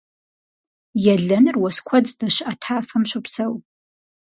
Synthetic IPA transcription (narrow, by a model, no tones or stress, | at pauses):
jɛɮɐnɨrwɐskʷʰɐd͡zdɐɕʔɐtʰaːfɐmɕʷɨpsɐw